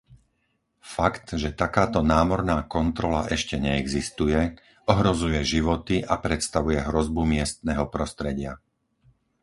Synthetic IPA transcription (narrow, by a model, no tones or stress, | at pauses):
fakt̪ʒɛt̪akaːt̪ɔnaːmɔɾnaːkɔnt̪ɾɔla̰ʔɛʃcɛɲɛɛɡzist̪ujɛ | ɔɦɾɔzujɛʒiʋɔt̪iʔapɾɛt̪st̪aʋujɛɦɾɔzbumɪɛst̪nɛːɦɔpɾɔst̪ɾɛɟɪa